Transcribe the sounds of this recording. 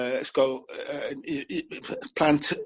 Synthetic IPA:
sko | pʰl̥ãnt

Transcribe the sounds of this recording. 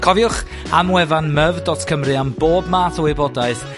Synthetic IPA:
kʰɔvjʊχ | amwɛvanməvdɔtkʰəmrɨamboːbmaːtʰɔwɪbɔdaɨθ

